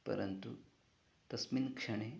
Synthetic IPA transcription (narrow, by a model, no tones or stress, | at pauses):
pə̰ɾənt̪u | t̪ɐsmiːnkʂɐɽ̃e